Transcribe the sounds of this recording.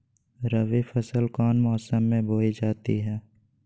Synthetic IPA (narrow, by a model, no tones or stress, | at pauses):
ɾəʋefʰəsəlkɔːnmɔːsəmːẽbʱoːid͡ʒaːt̪iɦɛː